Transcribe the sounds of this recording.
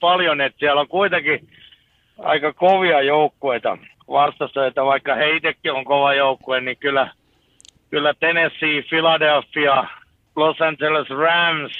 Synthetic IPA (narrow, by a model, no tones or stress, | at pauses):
pɑljonet̪siæloŋkuit̪eki | ɑ̰ikɑkoʋiɑjoukːueit̪ɑ̰ | ʋɑst̪ɑsøit̪æʋɑikːɑheit̪ekːioŋkoʋɑjoukːuennikylːˑæ | kylːæt̪enesːiːfilɑdelfːiɑ | losænt͡ʃelesræms